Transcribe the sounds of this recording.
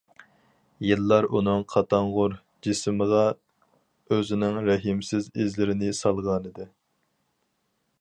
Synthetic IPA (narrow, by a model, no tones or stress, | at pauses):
jɨlˠːɑɾʔunɨŋqʰɑt̪ʰɑɴʁʊɾ | d͡ʒisməʁɑ | øzɪnɪŋɾɛɦɪmsɪzɪzlɪɾɪnɪsɑlˠʁɑnɨd̪ɪ